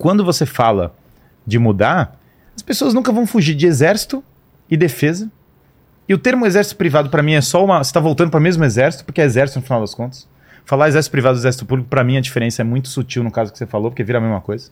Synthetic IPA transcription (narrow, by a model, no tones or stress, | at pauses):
kwɐ̃nd̪ʊvosefalɐ̰ | d͡ʒɪmud̪aɾ | ɐspesoɐznũkɐvɐ̃w̃fuʒiɾd͡ʒɪezɛɾsi̥t̪ʊ | ɪd̪efezɐ | ɪʊt̪eɾmʊezɛɾsit̪ʊpɾivad̪ʊpɾɐmĩɛsɔũmɐose̥t̪avowt̪ɐ̃nd̪ʊp̬ɾɐmezmʊezɛɾsit̪ʊpoɾkeɛezɛɾsit̪ʊnʊfinawd̪ɐskõnt̪ɐ̥s | falaɾezɛɾsit̪ʊpɾivad̪ʊezɛɾs̬it̪ʊpublikʊpɾɐmĩɐd͡ʒifeɾẽsɐɛmũj̃t̪ʊ̥sut͡ʃiwnʊkazʊkɪ̥sefalopoɾkeviɾɐmezmɐ̰kojzɐ